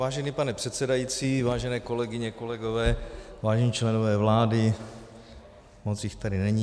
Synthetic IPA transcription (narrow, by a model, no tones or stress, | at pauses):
vaːʒɛniːpanɛpr̝̥ɛt̪sɛdajit͡siːvaːʒɛnɛːko̞lɛɡɪɲɛko̞lɛɡo̞vɛːvaːʒɛɲiːt͡ʃlɛnovɛːvlaːdɪ | mot͡sjɪxt̪adɪnɛɲiː